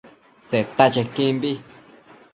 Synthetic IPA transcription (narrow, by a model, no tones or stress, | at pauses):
set̪at͡ʃekĩmbi